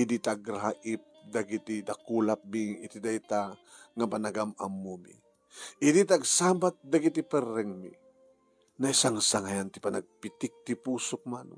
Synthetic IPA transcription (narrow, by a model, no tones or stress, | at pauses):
id̪it̪aɡɾaʔip̚d̪aɡit̪id̪akulap̚miŋḭt̪id̪ajt̪a | ŋapanaɡama̰mːumḭ | id̪it̪aɡsabat̪̚d̪aɡit̪ipɛɾɛŋmḭ | naisaŋsaŋajant̪ipana̰ɡ̚pit̪ik̚t̪ipusʊk̚mano